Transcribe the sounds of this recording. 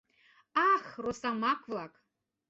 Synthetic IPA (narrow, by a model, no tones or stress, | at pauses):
aχrosamakʷʰlakʼ